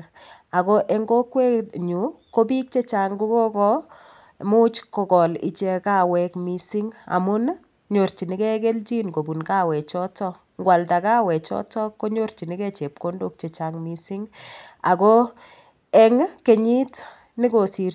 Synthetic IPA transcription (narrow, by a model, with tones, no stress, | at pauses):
a˨ko˦ʔɛ˦ŋɡo˦kwe˦ɲu˨ko˦bi˦k̚t͡ʃe˦t͡ʃa˨ŋɡu˦ko˦kɔ˦ | mu˦t͡ʃkɔ˨kɔ˨lḭ˨t͡ʃe˧ka˨wɛ˨kmi˨si˦ŋa̰˨mʊ˦n | ɲo˨ɾt͡ʃi˨nɪ˦kɛ˦ke˦lt͡ʃi˦nko˨bu˨nka˦wɛ˨t͡ʃɔ˦tɔ˦ | ŋɡwa˨lta˨kaː˦wɛ˨t͡ʃɔ̰˦tɔ˦ko˦ɲo˦ɾt͡ʃi˨ni˦kɛ˦t͡ʃe˨p̚ko˦ndo˦k̚t͡ʃe˨t͡ʃa˨ŋmi˨si˦ŋa̰˨kɔ˦ | ɛ˨ŋke˨ɲi˦t | nɪ˦ko˨si˨r